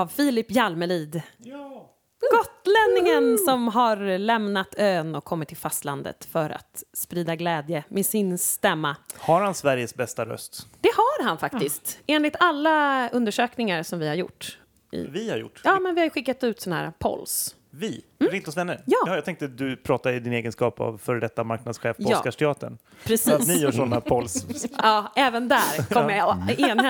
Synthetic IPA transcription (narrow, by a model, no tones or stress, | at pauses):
avfiːlɪpːjalmɛliːd̪ | ɡɔt̪ːlɛnːɪŋənsɔmɦaɾlɛmnat̪øːnɔkʰːɔmːɪt̪ʰːɪlfast̪land̪ə̰t̪fœɾa̰t̪spɾiːd̪aɡlɛːd̪jəmesɪnst̪ɛmːahaɾhansvæɾjəsbɛst̪aɾœ̰st̪d̪̥ɛhaɾɦanfakt̪ɪst̪eːnlɪt̪alːaɵnd̪əʂøːknɪŋaɾsɔmvɪhaɾjʊ̰ʈː | ʔɪ̰vɪhaɾjʊ̰ʈːjɑːmɛnvɪhajɧɪkːat̪ʉ̟ːt̪sɔnːahæ̰ːɾa̰pʰɔ̰ls | vɪɪnt̪ɔsvɛnːəɾjɑːjɑt̪ʰɛ̃ŋkt̪əd̪ɵpʰɾɑːt̪aɪd̪ɪneːɡənskɑːpʰa̰vfœɾɖɛt̪ːamaɾknad̪sɧeːfpʰɔsːkaʂʈ̪ɛɑːt̪ə̰ɳ | pʰɾɛsiːt̪nɪjœːʂɔnːapʰɔlsɑːʔɛːvənd̪æɾkʰɔmməjeːnɛ